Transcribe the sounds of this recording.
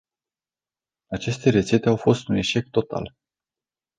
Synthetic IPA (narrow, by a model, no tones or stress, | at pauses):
at͡ʃe̞st̪e̞ɾet̪se̞t̪e̞awfo̞st̪une̞ʃe̞k̚t̪ːo̞t̪ʰa̰l